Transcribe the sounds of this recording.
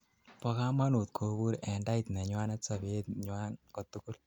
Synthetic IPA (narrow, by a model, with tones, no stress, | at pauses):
pɔ˦ka˦ma˦nu˨t̪̚kʰo˨bu˦ɾɛ˨nda˦it̪nɛ˨ɲwa˦nɛ˦tsa˨beː˦t̪ɲwa˦nko˨t̪u˦kʊ˦l